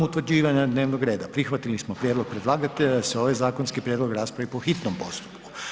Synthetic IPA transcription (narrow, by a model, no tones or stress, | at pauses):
ut̪ʋɾd͡ʑiːʋaɲad̪ne̞ːʋnoɡɾe̞ːd̪apɾixʋat̪ilismopɾʲjed̪lo̞ɡ̚pɾed̪lˠaːɡat̪ed̪aseo̞ʋajzaːkonskipɾjed̪loɡɾaːspɾaʋipoxit̪nompo̞̰st̪u̥pku̥